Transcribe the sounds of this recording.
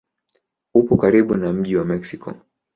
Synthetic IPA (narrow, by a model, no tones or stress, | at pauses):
upɔkaɾiɓunam̩ʄiwamɛksikɔ̰